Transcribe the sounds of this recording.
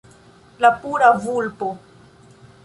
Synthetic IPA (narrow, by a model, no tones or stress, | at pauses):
lapuɾavulpo